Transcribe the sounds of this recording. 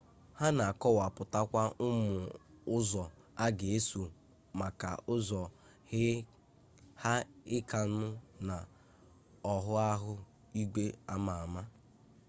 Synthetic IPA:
ha˦na˨a˨kɔ˦wa˨pʊ˨ta˦kʷa˦ʊ˦mʊ˨ʊ˦zɔ˨ | a˦ɡe˨e˦su˨ | ma˨ka̰˨ʔʊ˦zɔ˨ | hɪ˦ | ha˦ɪ˦ka˨n̩˦nʊ˦na˨ | ɔ˨ɦʊ˦a˦ɦʊ˦ | i˦ɡe˦a˦ma˨a˨ma˦

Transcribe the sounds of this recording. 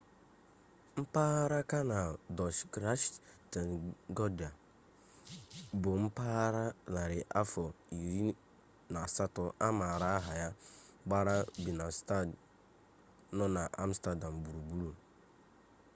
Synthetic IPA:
m̩˦pa˦ɾa˦ka˦na˨dɔ˨ʃkɾa˦ʃta˨n˨ɡɔ˦da˨ | bʊ˨m̩˦pa˦ɾa˦la˨ɾɪ˨ʔa˦fɔ˨i˨ɾi˦ | na˨sa˦tɔ˦ʔa˦ma˨ɾa˦ɦa˨ja˦ | ɡ͡ba˦ɾa˦bi˨na˨st | nɔ˦na˨ʔa˦m̩˦sta˦da˨m̩˨bu˨ɾu˨bu˦ɾu˦

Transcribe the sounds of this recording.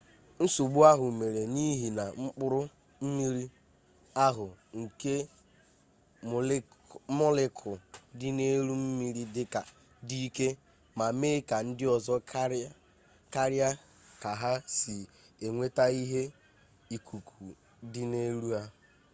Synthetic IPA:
n̩˦su˨ɡ͡bu˦a˦ɦʊ˨me˨ɾe˨ni˦ɦi˨na˨ŋ͡m̩˦k͡pʊ˦ɾʊ˦ | m̩˦mi˦ɾi˦ | a˦ɦʊ˨ŋ̩˨ke˦˨ | mɔ˦lɪ˦kʰʊ˨dɪ˦ne˦ɾu˦m̩˦mi˦ɾi˦dɪ˦ka˨ | di˦ke˦ | ma˨me˦ka˨n̩˦dɪ˦ɔ˨zɔ˦ | ka˦ɾja˦ | ka˨ɦa˦sɪ˨ | e˨ŋʷe˦ta˦i˦ɦe˦ | i˨kʰu˨kʰu˨ | dɪ˦ne˦ɾu˦a˦

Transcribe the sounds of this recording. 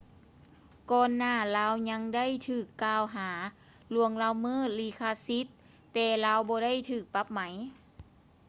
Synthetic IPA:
kɔː˧nːaː˧˥˩laː˧˥wɲa˧˥ŋda˥˨jt̪ʰɯː˧˩kːaː˧˨wɦaː˩˦ | lu˧˩əŋlaː˧˥˩wmɯː˧˥˩liː˧˩kʰaː˧si˧˦t̪̚ː | ɛː˧˩laː˧˥wbɔː˧da˥˨jt̪ʰɯː˧˩k̚pa˧˥p̚ma˨˦j

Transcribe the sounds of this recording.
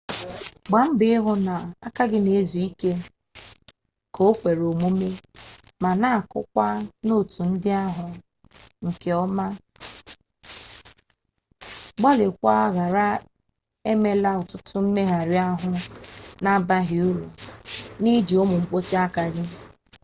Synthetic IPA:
ɡ͡ba˨m̩˦bɪ˦ɦʊ˦na˨a˦ka˦ɡɪ˦ne˨zu˨i˦ke˦ | ko˨˦o˦kʷe˨ɾo˨mu˦me˦ | ma˨na˦a˨kʊ̰˦kʷa˦no˦˨tu˨n̩˦dɪ˦a˦ɦʊ˨ | ŋ̩˨ke˨ɔ˦ma˦ | ɡ͡bɔ˦lɪ˨kʷa˦ɣa˨ɾa˦ | e˦me˦la˦ʊ˨tʊ˦tʊ˦m̩˦me˦ɦa˨ɾi˦a˦ɦʊ˦na˦ba˦ɦɪ˨u˦ɾu˨ni˦d͡ʒi˨ʊ˦mʊ˨ŋ͡m̩˦k͡po˦si˦a˦ka˨ɡɪ˦

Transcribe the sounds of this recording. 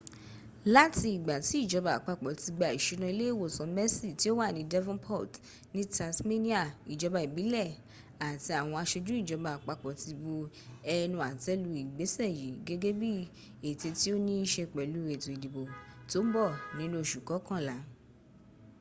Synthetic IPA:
la˦ti˧i˨ɡ͡ba˨ti˨˦i˦˨d͡ʒɔ˨˧ba˨a˨k͡pa˧k͡pɔ˨ti˧ɡ͡ba˨i˨ʃi˨˧˦nã˧i˧le˦e˦˨wo˦˨sɔ̃˨˦mɛ˦si˦˨ti˦o˦wa˦˨nĩ˨˦dɛ˦vɔ̃˦npʰɔ˦˨t | nĩ˦ta˧smi˦nĩ˦a˦˨i˨d͡ʒɔ˨˧ba˧i˨bi˨˦lɛ˦˨ | a˨ti˧a˨w̃ɔ̃˧a˧ʃe˧d͡ʒũ˦i˦˨d͡ʒɔ˨˧˦ba˧a˨k͡pa˧k͡pɔ˨ti˧bu˧ | ɛ˧nũ˧a˨tɛ˨˦lu˧˦i˨ɡ͡be˨˦sɛ˦˨ji˨˦ɡe˦ɡe˦bi˦ | e˨te˧ti˦o˦nĩ˦ʃe˧k͡pɛ˨lu˨˦e˨tũ˨i˨di˨bo˨to˨˦bɔ˦˨nĩ˨˦lo˦˨ʃu˨kɔ˨˦kã˦˨la˨˦

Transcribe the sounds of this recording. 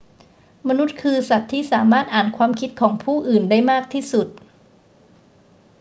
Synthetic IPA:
ma˧nu˦˥t̪̚kʰɯː˧sa˨˩t̪ʰːiː˥˩saː˩˦maː˥˩t̪̚ʔaː˨˩nkʰwaː˧mkʰi˦˥t̪̚kʰɔː˩˦ŋpʰuː˥˩ʔɯː˨˩ndaː˥˩jmaː˥˩k̚t̪ʰiː˥˩su˨˩t̪̚

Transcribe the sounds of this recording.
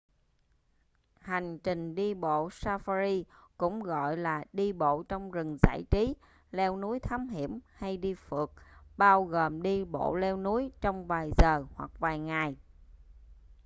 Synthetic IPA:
ha˨˩jŋ̟t͡ɕï˨˩ŋ̟ɗi˧ɓo̰˧˨saː˧fa˧zi˧kʊ̰˧˥ŋ͡mɣɔ̰˧˨jlaː˨˩ɗi˧ɓo̰˧˨t͡ɕɔ˧wŋ͡mzɨ˨˩ŋza̰ː˧˥˨jt͡ɕi˨˦ | lɛ˧wnu˨˦əjt̪ʰaː˨˦mɦḭ˧˩əmha˧jɗi˧fɨ˨˩ək̚ɓaː˧wɣoː˨˩mɗi˧ɓo̰˧˨lɛ˧wnu˨˦əjt͡ɕɔ˧wŋ͡mvaː˨˩jzəː˨˩hwa˨˩k̚vaː˨˩jŋa˨˩j

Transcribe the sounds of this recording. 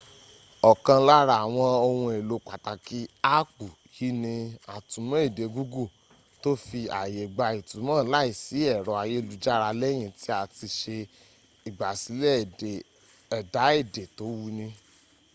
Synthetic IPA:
ɔ˨kã˧la˦ɾa˧˨a˨w̃ɔ̃˧o˧wũ˧e˨lo˨˧k͡pa˨ta˨ki˦a˦k͡pu˨ | ji˨˦nĩ˧a˨tũ˨˦mã˦e˦˨de˨˧˦ɡu˦ɡu˦˨ | to˦fi˧a˨je˨ɡ͡ba˧i˨tũ˨˦mã˦la˦i˦˨si˨˦ɛ˦˨ɾɔ˨˦a˧je˦lu˨˧d͡ʒa˦ɾa˧lɛ˦j̃ĩ˧˨ti˦a˦˨ti˧ʃe˧ | i˨ɡ͡ba˨si˨˦lɛ˦˨e˨ | ɛ˨da˨˦e˦˨de˨to˨˦wu˦nĩ˧

